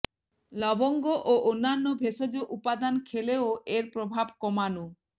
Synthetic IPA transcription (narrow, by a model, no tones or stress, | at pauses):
lɔboŋɡoʔoʔonːanːobʱesod͡ʑoʔupad̪ankʰeleoʔeɾpɾobʱabkɔmanu